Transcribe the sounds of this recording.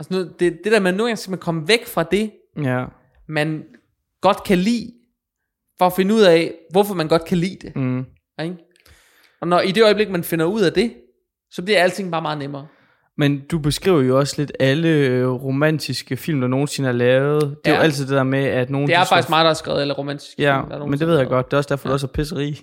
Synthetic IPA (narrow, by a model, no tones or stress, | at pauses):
ɒsɒnɔðˠd̥e̝d̥e̝ɾ̥æɐmenoːɡæŋsemhenkʰɒ̽məʋeɡ̥fʁɑ̈d̥e̝ | mæn | ɡ̥ɒ̽d̥kʰælḭː | fɒ̽ːfe̝nəuð̞̰ˠɛʋɒfɒ̽mænɡ̥ɒ̽d̥kʰælḭːd̥e̝ | eɡ̥ | ɒ̽nɒid̥e̝ɒɪb̥le̝ɡ̥̚mænfe̝nɐuð̞̰ˠæd̥e̝ | sɒ̽b̥liɐ̥æl̰ət͡sʰe̝ŋ̰bɑ̈ːmɑ̈ːð̞̩ˠnemɐː | mend̥ub̥e̝sɡ̥ʁḭːʊ̰ɐjo̝ɒ̽sle̝d̥æləʁo̝mæn̰t͡sʰisɡ̥əfil̰md̥ɑ̈no̝ːn̩se̝nəhɑ̈lɛːʊð̩ˠd̥e̝oæl̰t͡sʰið̩̰ˠd̥e̝̥ɛ̰ɐmeæd̥no̝ːn̩eæɐfsɑ̈ɡ̥isɡ̥mɑ̈ːd̥ɑhæɐsɡ̥ʁɛ̰ːð̩ˠelɐʁo̝mæn̰d̥ʰi̥sɡ̥jæmomend̥eʋe̝ð̞̰ˠjäɡ̥ɒ̽d̥̚d̥e̝ːɒsd̥æɐfɒ̽d̥uɒsæpʰes̬əʁḭː